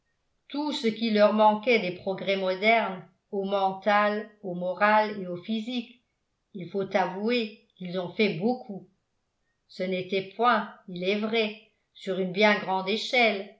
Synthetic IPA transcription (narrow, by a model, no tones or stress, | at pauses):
t̪usəkʲilœʁmɑ̃kɛd̪epχɔɡʁɛmɔd̪ɛʁn | omɑ̃t̪alomɔʁaleofizik | ilfot̪avuekilzɔ̃fɛbokʰu | sənet̪ɛpwɛ̃ilɛvʁɛ | syʁynbjɛ̃ɡʁɑ̃d̪eʃɛl